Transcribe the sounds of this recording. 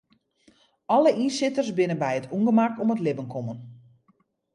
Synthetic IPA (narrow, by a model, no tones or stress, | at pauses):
ɔləʔinsɪtərsbɪnənbɛjətʰuŋɡəmakɔmətlɪbənkʰɔmən